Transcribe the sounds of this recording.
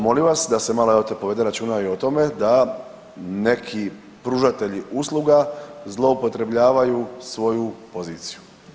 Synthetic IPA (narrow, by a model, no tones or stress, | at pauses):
mo̞limʋasd̪ase̞maloot̪epo̞ʋe̞d̪eɾat͡ʃuːnaio̞t̪o̞me̞d̪a | ne̞kʰi | pɾuʒat̪e̞ʎiʔuslˠuɡazlˠo̞upo̞t̪ɾe̞bʎaːʋajusʋo̞jupoziːt̪si̥ju